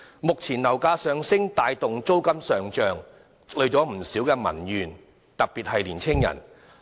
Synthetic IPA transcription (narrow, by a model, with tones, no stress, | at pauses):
mʊ˨k̚t͡sʰiː˨˩nnɐ˨˩wkaː˧sœː˨˧ŋsɪ˥ŋt̪aː˨˧jt̪ʊ˨ŋt͡so˥wkɐ˥msœː˨ŋt͡ʃœː˨ŋ | lɵ˨˧t͡ʃɔː˨˥m̩˨˩siː˨˥wkɛː˧mɐ̰˨˩njyː˨˩n | t̪ɐ˨k̚piː˨t̚hɐ˨jliː˨˩nt͡sʰɪ˥ŋjɐ̰˨˩n